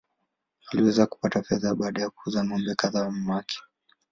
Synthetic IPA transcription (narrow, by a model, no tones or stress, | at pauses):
aliwɛzaku̥patafɛðaɓaːɗajakuuzanɔmbɛkaðam̩makʰɛ̥